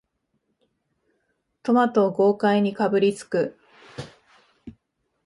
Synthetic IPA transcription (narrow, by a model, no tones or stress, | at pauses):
t̪o̞mat̪o̞ɡo̞ːkaiɲ̟ikabɯ̟ɾʲit͡sɨ̥kɯ̟